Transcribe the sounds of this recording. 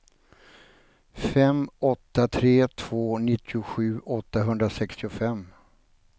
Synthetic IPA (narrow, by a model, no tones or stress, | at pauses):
fɛmɔt̪ːat̪ʰɾeːt̪ʰv̥oːnɪt̪ʰːɪʊɧʉ̟ːʔɔt̪ːaɦɵnd̪ɾasɛkst̪ɪʊfɛmː